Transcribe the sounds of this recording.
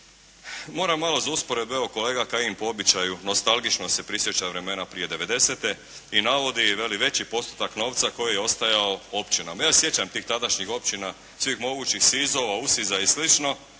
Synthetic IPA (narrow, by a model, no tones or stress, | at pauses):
mo̞ːɾamːalo̞zauspo̞ɾe̞d̪̚beoko̞leːɡakaimpoo̞bit͡ɕajuno̞st̪alˠɡit͡ʃno̞se̞pɾisjet͡ɕaʋɾe̞me̞napɾije̞d̪e̞ʋe̞d̪e̞se̞t̪e̞ | inaʋo̞d̪iʋe̞liʋe̞t͡ɕipo̞st̪u̥t̪akno̞ːʋt̪sako̞jijeo̞st̪ajaoo̞pt͡ɕinamajaːsje̞t͡ɕamt̪iːxt̪ad̪aʃɲixo̞pt͡ɕina | sʋixmo̞ɡuːt͡ɕixsizo̞ʋausizaislit͡ʃno̞